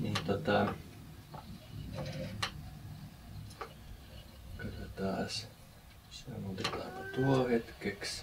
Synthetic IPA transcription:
nint̪ot̪ɑ | kot̪ot̪ɑːs | somont̪ekɑ̰ːpɑt̪uohet̪keks

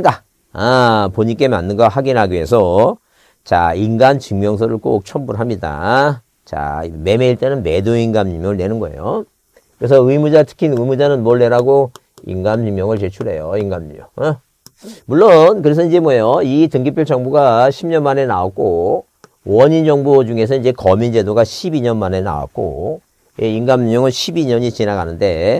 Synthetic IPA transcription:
ɡa | apoɲik͈e̞ma̰nːɯnɡʌhaɡinɦaɡie̞sʰʌ | t͡ɕa̰inɡant͡ɕiŋmjʌŋsʰʌɾɯɭk͈o̰k̚t͡ɕʰʌmbuɾɦamɲida̰ | t͡ɕa̰me̞me̞iɭt͈e̞nɯnme̞doiŋɡamimjʌŋɯɭne̞nɯnɡʌe̞̰jo | kɯɾe̞sʰʌɯimud͡ʑatʰɯ̥kʰinɯimud͡ʑanɯnmoɭːe̞ɾaɡo | ḭŋɡamimjʌŋɯɭt͡ɕe̞t͡ɕʰuɾe̞̰joiŋɡamḭmjʌŋ | muɭːonkɯɾe̞s̬ʰʌid͡ʑe̞mwʌjoitɯŋɡipʰjuɭt͡ɕ͈ʌŋbuɡaɕʰimɲʌnmane̞naok̚k͈o | wʌɲind͡ʑʌŋbod͡ʑuŋe̞s̬ʰʌnid͡ʑe̞kʌmind͡ʑe̞doɡaɕʰibiɲʌnmane̞na̰wa̰k̚k͈o̰ | jeiŋɡammjʌŋɯnɕʰibiɲʌɲit͡ɕinaɡanɯnde̞

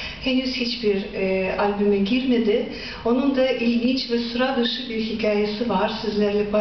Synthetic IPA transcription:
henyz̥hit͡ʃbiɾalʲbymɛɟiɾme̞d̪ɪ | o̞nund̪aʔilʲɟint͡ʃvɛsuɾad̪ɯʃɯbiɾɦicʰaːjesivaɾ̥sizlʲæɾlʲɛba

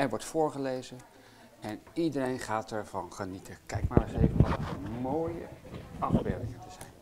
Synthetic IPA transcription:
ɛɹʋɔɹtfʊːɹχəlejzə | ɛnidəɾejnχaːtɛɹvɑnχənitʰəkɛjkmaːɹəsejvənʋɑtəəmoːjə̰ɑfbɪ̰ɹdɪŋətəzɛjn

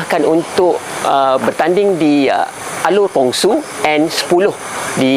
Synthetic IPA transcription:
kanunt̪ʊʔəbərt̪andɪŋdḭ | ʔalurpɔŋsuɛ̃nsə̥pulʊh | di

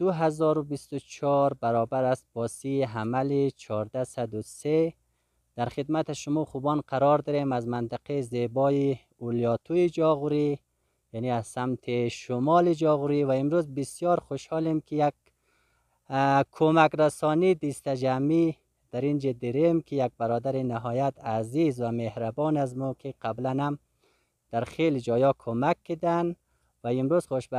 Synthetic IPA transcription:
d̪̥uɦazɔːɾubist̪ut͡ʃʰɔɾbaɾɔbaɾasb̥ɔsiɦamalit͡ʃʰɔɾd̪asad̪use | d̪̥aɾxɪd̪mat̪aʃʊmɔχubɔnqʰaɾɔɾd̪iɾemazmant̪ɪqezebɔi | uljɔt̪ʰujid͡ʒɔɣuɾi | janiazsamt̪ʰiʃʊmɔlid͡ʒɔɣuɾiwaimɾuzbisjɔɾχʊʃhɔlimkʰijaɡ | kʰːomakɾasɔːnid̪ist̪ad͡ʒami | d̪̥aɾind͡ʒed̪iɾemkʰijaɡ̚baɾɔːd̪aɾinaɦɔːjat̪azizwamehɾabɔːnazmukʰiqʰablanam | d̪̥aɾχelid͡ʒɔːjɔkʰomakːid̪an | vaimɾuz̥χʊʃb

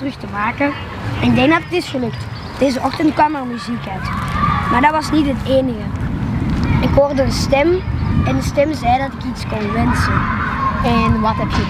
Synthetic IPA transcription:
rɵxtəmaːkən | ɛnɪɡ̚dɛŋɡ̚dɑtətɪsxəlɵkt | d̥eːzəʔɔxtəntkwɑmərmyzikœɥtmaːɹdɑtʋɑsnitɦəteːnəɣə | ɪkɦoːrdəənstɛmɛndəstɛmzɛjdɑtɪkitskonʋɛnsənɛnʋɑtɦɛpjə

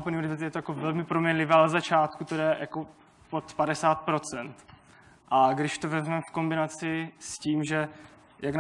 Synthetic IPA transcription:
p̩nɲiuɾɪvt̪ijɛt̪ojakovɛlmɪpɾomɲɛnlɪvɛːlzat͡ʃaːt̪kut̪odɛjʔa̰ko | po̞t̪padɛsaːt̪̚pɾo̞t͡sɛnt̪ | ʔaɡdɪʃt̪ovɛzmɛmɛfko̞mbɪnat͡sɪsciːmʒɛ | jakn

